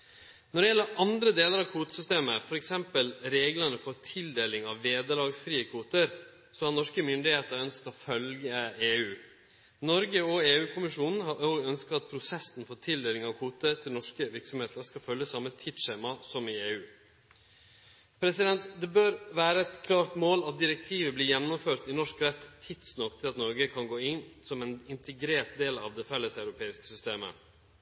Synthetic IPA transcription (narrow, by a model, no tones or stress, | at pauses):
nɔɖɛjɛlːəɾʔɑnd̪ɾəd̪eːləɾɑʋkʰuːt̪ə̥sʏst̪eːməfɔɾɛksɛmpəlɾeːɡlənəfɔɾt̪ʰɪld̪eːlɪŋɑʋʋeːd̪əlɑːɡsfɾiːəkʰʋuːt̪əɾ | sɔhɑɾnɔʂkəmʏnd̪ɪheːt̪əɾœnskt̪ɔfœlɡəeːʉː | nɔɾɡəɔeːʉːkʰʊmɪʂuːnn̩hɑoːɡœnskət̪ɑt̪̚pʰɾʊsɛsn̩fɔt̪ʰɪld̪eːlɪŋɑʋkʰuːt̪ət̪ʰɪlnɔʂkəʋɪɾksɔmheːt̪əɾʂkɑfœljəsɑmːət̪ʰɪt̪ʂeːmɑsɔmɪeːʉː | pʰɾɛsɪd̪ɛnt̪d̪ɛbøːɾʋæːɾəɛt̪kʰlɑːɾʈ̪moːlɑt̪d̪ɪɾɛk̚t̪ʰiːʋəbliːjɛnːʊmføːɾt̪ɪnɔʂkɾɛt̪ʰːɪt̪snɔkt̪ʰɪlɑt̪nɔɾɡəkʰɑnɡoːɪnsɔmɛnɪnt̪ʰəɡɾeːɾt̪̚d̪eːlɑ̰ʋd̪ɛfɛlːəsæʉɾʊpʰeːɪskə̥sʏst̪eːmə̰